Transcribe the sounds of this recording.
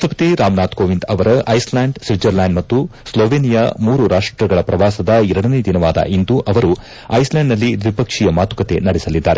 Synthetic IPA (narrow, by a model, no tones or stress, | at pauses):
st̪ʰɐpɐt̪iɾaːmnaːt̪koːʋint̪ɐʋɐɾɐʔɐjslaːɳɖsid͡ʒɐɾlaːnɖmɐt̪ːusloːʋeːnijɐmuːɾuɾaːʂʈɾɐɡɐɭɐpɾɐʋaːsɐd̪ɐɛɾɐɽɐne̞d̪inɐʋaːd̪ɐ̰ʔind̪uʔɐʋɐɾu | ɐjslaːɳɖnɐlːid̪ʋipɐkʂijɐmaːt̪u̥kɐt̪e̞̰nɐɽɛsɐlid̪ːaːɾe